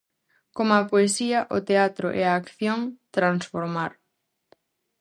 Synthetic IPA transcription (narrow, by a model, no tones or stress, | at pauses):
komɐpoesiɐʔʊt̪eat̪ɾʊʔɛaːkθjoŋt̪ɾansfoɾmaɾ